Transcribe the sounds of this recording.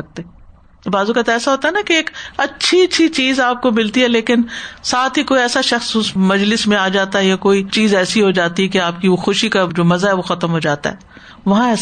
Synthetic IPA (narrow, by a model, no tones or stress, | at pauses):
ɐk̚t̪e | baːzukat̪aɛːsaɦoːt̪aɦɛnakeeːkɐtːʃʰit͡ʃːʃʰit͡ʃiːzaːp̚komɪlt̪iɦɛleːkɪnsaːt̪ʰɦikoːiɛːsaʃɐxsʊsmɐd͡ʒlɪsmẽaːd͡ʒaːt̪aɦɛjakoːit͡ʃiːzɛːsiɦod͡ʒaːt̪iɦɛkeaːp̚kioxʊʃikad͡ʒoːmɐzaɦɛʋoxɐt̪əmɦod͡ʒaːt̪a̰ɦɛː | ʋɐɦãɛːs